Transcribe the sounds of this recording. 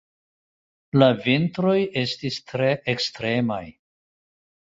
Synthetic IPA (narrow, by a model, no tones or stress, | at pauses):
lavintɾo̞je̞stistɾe̞ʔekstɾe̞ma̰j